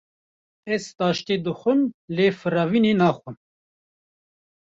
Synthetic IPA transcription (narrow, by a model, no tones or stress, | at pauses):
ɛzt̪ɑːʃt̪eːd̪ɨxʷɨmleːfɨɾɑːvineːnɑːxʷɨm